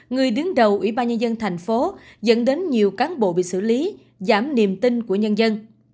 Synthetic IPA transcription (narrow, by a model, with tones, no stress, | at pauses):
ŋɨ˨˩əjɗɨ˨˦əŋɗə˨˩wʔwḭ˧˩ɓaː˧nɲə˧nzə˧nt̪ʰɛ˨˩jŋ̟fo˨˦zə̰˧˥nɗe˨˦nɲi˨˩əwkaː˨˦nɓo̰˧˨ɓḭ˧˨sɨ̰˧˩li˨˦ | zaː˧˩mni˨˩əmt̪i˧nku˧˩əɲə˧nzə˧n